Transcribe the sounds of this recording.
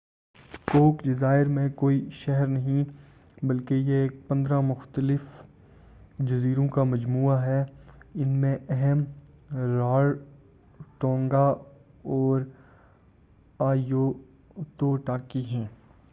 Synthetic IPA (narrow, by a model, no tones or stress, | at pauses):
koːkɖɪzaːɪɾmẽkoːiʃɛɦɛɾnɐɦĩ | bɐlkejekpɐ̃nd̪ɾamʊxt̪əlɪf | d͡ʒɐziːɾõkamɐd͡ʒmuːaɦɛɪnmẽʔɛɦɛm | ɾaːɽ | ʈɔ̃ːŋɡa | ɔːɾ | aːijoː | t̪oːʈaːkiɦɛ̃ː